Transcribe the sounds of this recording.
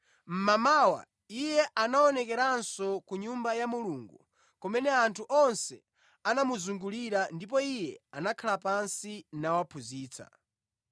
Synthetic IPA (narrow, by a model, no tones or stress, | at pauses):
m̩mamaːwa̰ | ijɛʔanaɔnɛkɛɾansɔkuɲumbajamuluŋɡu | kɔmɛnɛantʰuʔɔnsɛ | anamuzuŋɡuliɾandip̬ɔijɛanakʰalapansinawapʰuziːt͡sʰa̰